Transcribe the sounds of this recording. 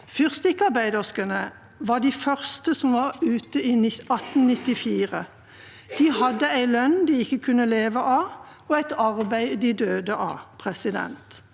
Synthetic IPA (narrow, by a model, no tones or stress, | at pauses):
fʏʁst̪ɪkːɑʁbæɪd̪əskənə | ʋɑːd̪iːfœʁst̪əsɔmʋɑʁʉːt̪əiːnɪɑt̪n̩nɪt̪ːɪfiːʁə | d̪̥iːhɑd̪ːəæɪlœnd̪iːɪkːəkʰʉnːəleːʋəʔɑː | oæɪt̪ɑʁbæɪd̪iːd̪øːd̪əʔɑ̰pʰʁɛsɪd̪ɛ̰nt̪